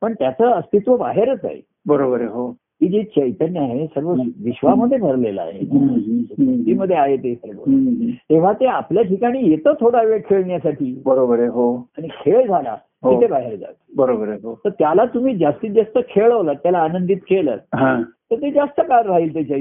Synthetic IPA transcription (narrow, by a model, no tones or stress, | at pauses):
pəɳt̪jat͡səːəst̪it̪ʋəba̰ɦeɾət͡sa̰ɦḛ | bəɾobəɾeɦo | iːd͡ʑit͡ɕəit̪ənːjaɦesəɾʋət͡sʋiɕʋaməd̪ʱːjebʱəɾlela̰a̰ɦḛn | t̪iːməd̪ʱːjeaɦet̪esəɾʋə̰t̪eʋ̤at̪eapljaʈʰikaɽ̃iːjet̪ət̪ʰoɽaʋekʰeɭɳjasaʈʰiːbəɾobəɾeɦoaɽ̃ikʰeɭd͡zʱala̰ | ɦoiebaɦeɾd͡za̰t̪bəɾobəɾeɦot̪əɾt̪jalat̪um̤iːd͡zast̪iːd͡zast̪əkʰeɭəʋlat̪jalaːnənd̪iːt̪kelə̰ɦãt̪əɾt̪ed͡zast̪əkaɾɾaɦiːlt̪at͡ɕa